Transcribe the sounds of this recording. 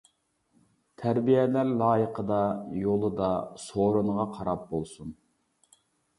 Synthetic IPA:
t̪ʰæɾbijɛlæɾlˠɑːjəqʰəd̪ɑjolˠɨd̪ɑsoɾunʁɑqʰɑɾɑp̚bolˠsun

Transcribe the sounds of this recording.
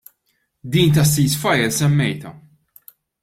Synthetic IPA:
d̪iːnt̪ɐsːiːsfɐjɛlsɛmːɛjt̪ɐ

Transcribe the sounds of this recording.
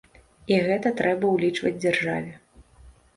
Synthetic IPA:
iɣɛt̪ɐt̪ɾɛbɐwlʲit͡ʂvɐ̰d͡zʲd͡zʲarʐa̰vʲɛ

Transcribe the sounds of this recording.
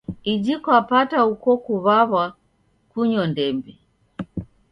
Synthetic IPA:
id͡ʒikwapataukɔkuβaβa | kuɲɔndɛmbi

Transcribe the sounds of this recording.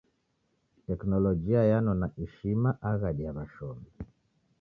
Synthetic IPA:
tɛknɔlɔd͡ʒiajanɔnaʔɛʃimaʔaɣaɗiamaʃɔmi

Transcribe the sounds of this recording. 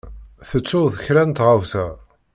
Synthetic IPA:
θət͡sːʊðəçɾænt̪ʁawθæ

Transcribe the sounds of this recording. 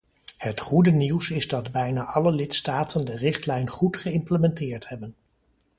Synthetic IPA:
hətχudəniwsɪzdɑdbɛjnaːʔɑləlɪtstaːtəndərɪχtlɛjnχutχəɪmpləmɛntɪːɹtɦɛbən

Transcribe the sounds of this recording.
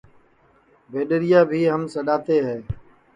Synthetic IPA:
bʱeːɗəɾɪjaːbʱiːɦəmsəɗaːt̪eːɦɛː

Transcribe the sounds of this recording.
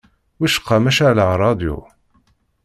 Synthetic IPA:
wiʃə̥qːɑmæʃaʕlaɾˤɑd̪jṵ

